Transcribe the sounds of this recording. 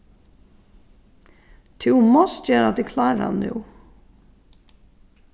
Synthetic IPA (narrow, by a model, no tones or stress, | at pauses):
t̪ʰʉwmɔst̪jɛːɾa̰d̪ɪkʰlɑːɾa̰nːṵː